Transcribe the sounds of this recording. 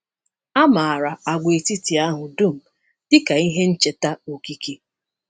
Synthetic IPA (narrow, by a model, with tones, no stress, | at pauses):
a˦ma˨a˨ɾa˨a˨ɡʷe˨ti˦ti˨a˦ɦʊ˨du˦˨m̩˨ | d̥ɪ˦ka˨i˦ɦe˦n̩˦t͡ʃe˨ta˦o˨ki˦ke˦